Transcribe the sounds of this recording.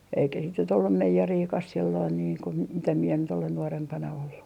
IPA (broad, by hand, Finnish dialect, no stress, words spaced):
eikæ sit nyt olːum meijeriːkɑs silːoin niːŋ ku m mitæ mie nyt olen nuorempɑnɑ olːu